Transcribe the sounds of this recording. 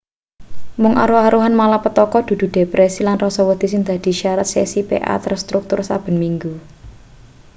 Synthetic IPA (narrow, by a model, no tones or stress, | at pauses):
mʊŋʔa̰ɾuaɾuɦanmalapət̪ɔkɔd̪̥ṳd̪̥ṳɖ̪̥e̤pɾʔesilanrɔsɔwəd̪̥i̤sɪŋd̪̥a̤d̪̥i̤ʃaɾat̪̚sɛ̰sipḛʔa̰t̪ərst̪ɾuk̚t̪ʊrsab̥ə̤nmiŋɡu